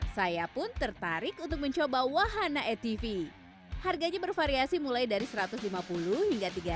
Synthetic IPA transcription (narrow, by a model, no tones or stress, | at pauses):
sajapʊnt̪ərt̪aɾɪkunt̪ʊk̚məɲt͡ʃobawaɦanaʔɛt̪ifi | harɡaɲabərfaɾiasimulajdaɾisəɾat̪ʊslimapulʊhhiŋɡat̪iɡa